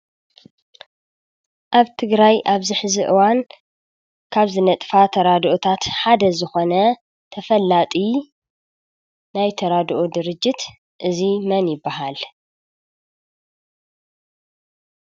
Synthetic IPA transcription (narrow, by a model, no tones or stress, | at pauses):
ʔaβt̪ʰɨɡɾajʔaβzɨħɨziʔɨwan | kʰaβzɨnɐt̪ʼfat̪ʰɐɾad̪ʔot̪ʰat̪ħad̪ɐzɨxo̞nɐ | t̪ʰɐfɐlːat̪ʼi | najt̪ʰɐɾad̪ʔod̪ɨɾɨd͡ʒːɪt̪ | ʔɨzimɐnjɪbːaɦal